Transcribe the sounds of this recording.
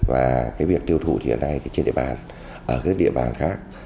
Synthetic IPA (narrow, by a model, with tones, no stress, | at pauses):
vaː˨˩kaː˨˦jvi˨˩ək̚t̪i˧əwt̪ʰṵ˧˩t̪ḭ˨˧˨ə̰ː˧˩na˧jt̪ʰi˨˩t͡ɕe˧nɗḭ˧˨ə˨ɓaː˨˩n | ʔəː˧˩kaː˨˦˥k̚ɗḭ˧˨əɓaː˨˩nxaː˦˥k̚